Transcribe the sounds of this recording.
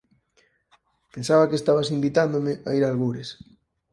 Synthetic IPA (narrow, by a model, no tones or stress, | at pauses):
pensaβakest̪aβasimbit̪and̪omɪʔa̰iɾalɣuɾes